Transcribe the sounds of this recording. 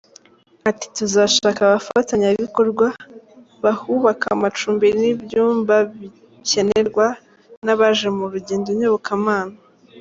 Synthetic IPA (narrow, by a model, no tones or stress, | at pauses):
ati̥tuzaːʃaːkaβaftaɲaβiko̞ɾɡwa | βahuβakamat͡ʃuːmbeɾinibjuːmbaβi | ce̞ne̞ɾɡwa | naβaʒemuɾuɟe̞ːndoɲoβokʰamaːna